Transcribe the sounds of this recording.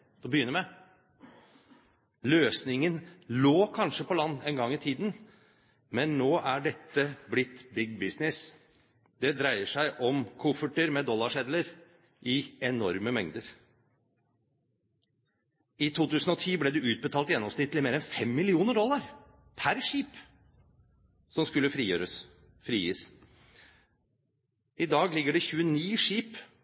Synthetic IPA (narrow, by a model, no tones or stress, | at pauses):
bəjʏnəɾmɛ | løːsnɪŋənloːkʰɑnʂəpɔlɑnːɛnɡɑŋːɪt̪ʰiːd̪n | mɛnːoːʔæɖɛt̪ʰːəblɪt̪ːbɪɡbɪsnɪs | d̪ɛd̪ɾæɪəʂæɪʔɔmkʰʊfəʈəɾmɛd̪ɔlːɑʂɛd̪ləɾ | ʔɪɛnɔɾməmɛŋd̪əɾ | ɪt̪ʰuːt̪ʉːsən̩ɔt̪ʰiːblɛd̪ɛʉːt̪̚bət̪ʰɑːlt̪jɛnːɔmsnɪt̪lɪmeːɾɛnfɛmːɪlɪuːnəɖɔlːɑɾ | pʰæɾʂiːp | sɔmskʉlːəfɾiːjø̰ːɾə | fɾiːjḭs | ɪd̪ɑːɡlɪɡːəɖɛçʉːəniːʂiːp